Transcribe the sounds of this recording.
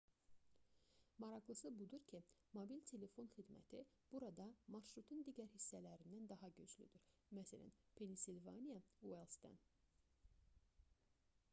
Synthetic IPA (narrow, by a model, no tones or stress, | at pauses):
mɑɾɑɣlˠɯsɯbud̪uɾcʰimobilt̪ʰe̞le̞fo̞nxid̪mæ̰t̪ʰi | b̥uɾɑd̪ɑmɑɾʃɾut̪ʰund̪iːɟæɾhisːælæɾind̪ænd̪ɑɦɑɟød͡ʒly̰d̪yɾ | mæsælæ̰npʰe̞nisilvɑ̰nijɑuwelˠsd̪ɑ̰n